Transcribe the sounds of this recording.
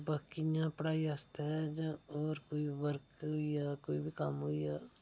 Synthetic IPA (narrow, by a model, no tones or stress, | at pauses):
bəkijãːpəɽaːiaːst̪eɛd͡ʒãɔːɾkoːiːʋəɾkɦoijaːkoːiːbʱikəmɦoiːaː